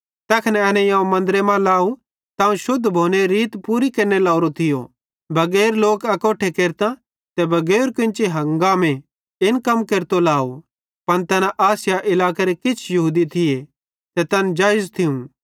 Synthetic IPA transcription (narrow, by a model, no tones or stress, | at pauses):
t̪ɛːkʰnɛɛːnɛ̃jãːũmɐ̃nd̪ɾemãlaːu | t̪ãːũʃʊd̪ʱːbʱoːneɾiːt̪puɾikeːɾnelaːʊɾot̪ʰɪjo̰ | bʱɐɡɛːɾloːkɐkoːʈʰekeːɾt̪ã | t̪ɛbʱɐɡɛːɾkɪ̃nt͡ʃeɦɐ̃ŋɡaːmẽ | ɪnkɐmkeːɾt̪olaːo | pɐnt̪ɛnãʔaːsjaʔɪlaːkeɾekɪt͡ʃʰjɐɦuːd̪it̪ʰɪe | t̪ɛt̪ɐnd͡ʒaːɪzt̪ʰɪũ